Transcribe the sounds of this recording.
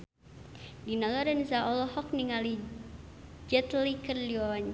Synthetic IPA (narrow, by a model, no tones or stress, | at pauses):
dinɔlɔɾɛnzaɔlɔɦɔk̚niŋali | d͡ʒɛt̪likərliwawaɲ